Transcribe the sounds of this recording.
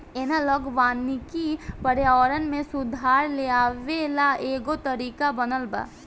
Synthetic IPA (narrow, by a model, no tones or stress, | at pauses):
eːnaləɡʋaːnikipəɾjaɔːɾənmẽsʊd̪ʱaːɾleaːʋelaeːɡot̪əɾiːkabənəlba̰ː